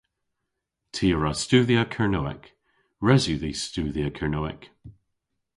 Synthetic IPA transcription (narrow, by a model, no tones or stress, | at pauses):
tʰiːəɹastʉːðiakʰəɹnoːɪ̰k | ɹɛzʉðistʉːðiakʰəɹnoɪ̰k